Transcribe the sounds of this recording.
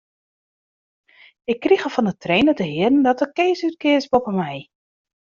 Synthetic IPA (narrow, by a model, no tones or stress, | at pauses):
ɪkːrixəfɔnətʰrejnətəɦɪədn̩dɔtəkeːsyt̚kɪsbopəmɛj